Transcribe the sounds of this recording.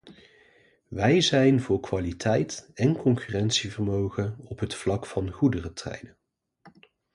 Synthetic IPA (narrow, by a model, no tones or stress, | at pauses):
ʋɛjzɛjnvʊːɹkʋaːlitʰɛjtɛnkɔŋkyrɛntsivərmowχənɔpɦətflɑkfɑnχudərətrɛ̰jnən